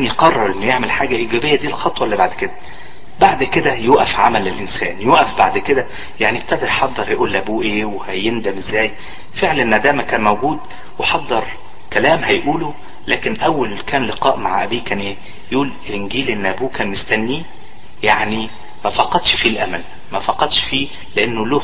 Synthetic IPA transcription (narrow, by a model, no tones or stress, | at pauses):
njqɑrˤːɑɾˤʔenːojeʕmelħaːɡæʔiːɡæːbejːæd̪iːlxɑt̪ˤwɑlːibaʕd̪ked̪æ | baʕd̪ked̪æjoːʔæfʕa̰mælːelʔensæ̰ːnjoːʔæfbaʕd̪ked̪æ | jaʕnib̚t̪ːæʔd̪eɾħɑd̪ˤːɑɾhæjʔuːlʔæbuːʔeːwehæjend̪æmʔezːæːj | feʕlæenːæd̪æːmækæːnmæwɡuːd̪ | weħɑd̪ˤːɑɾˤ | kælæːmhæjʔuːlo | læːkenʔæwːælkæːnleqɑːʔmaʕʔæ̰biːkæːnʔeː | jʔuːl | lʔenɡiːlʔenːʔæbuːkæːnmest̪ænːiː | jaʕni | mæfɑqɑd̪ʃfiːlʔæmæl | mæfɑqɑd̪ʃfiː | leʔenːolo